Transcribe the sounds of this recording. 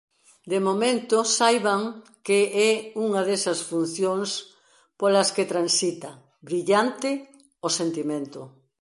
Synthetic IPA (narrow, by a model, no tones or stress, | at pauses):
d̪emomẽnt̪osajβaŋkeɛuŋɐðesɐsfun̟θjoŋs | polɐsket̪ɾansit̪ɐ | bɾiʎant̪ɪ | osent̪imẽnt̪ʊ